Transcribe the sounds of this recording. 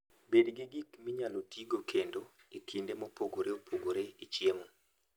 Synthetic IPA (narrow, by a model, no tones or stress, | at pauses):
bedɡɪɡikmiɲalotʰiɡokʰendo | ikʰindemopoɡoɾeopʰoɡoɾeit͡ʃiemo